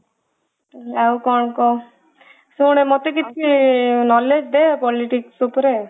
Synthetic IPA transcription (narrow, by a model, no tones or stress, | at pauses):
awkɔɳkɔ | seuɽ̃emɔt̪ekit̪ʰkinɔled͡ʒd̪eapɔliʈiksupɾe